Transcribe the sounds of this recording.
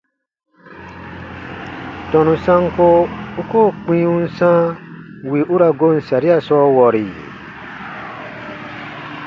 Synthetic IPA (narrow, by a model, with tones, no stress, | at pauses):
tɔ̃˨nũ˨sã˦ŋko˦u˦koː˦˨k͡pĩ˦ũ˦n̩˦sã˦wi˨ʔu˦ɾa˧ɡo˦˨n̩˨sa˨ɾi˦a˦sɔː˦wɔ˨ɾi˨